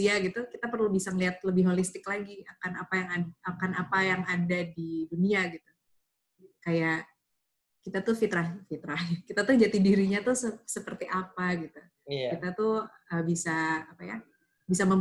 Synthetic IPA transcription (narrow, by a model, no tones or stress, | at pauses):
iaɡit̪ukit̪apərlubisaŋəliat̪̚ləbɪhɦolist̪ɪklaɡiakanapajaŋaakanapajaŋadadiduniaɡit̪u | kajaʔ | kit̪at̪ufit̪ɾahfit̪ɾahɲakit̪at̪ʊd͡ʒat̪idiɾiɲat̪ʊsəsəpərt̪iʔapaɡit̪u | kit̪at̪u | əbisaːpaja̰ | bisaməm